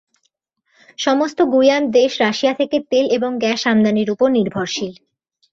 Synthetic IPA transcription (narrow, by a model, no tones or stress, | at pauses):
ʃɔmost̪oɡujamd̪eʃɾaʃiat̪ʰeket̪eleboŋɡɛʃamd̪aniɾupoɾniɾbʱoɾʃil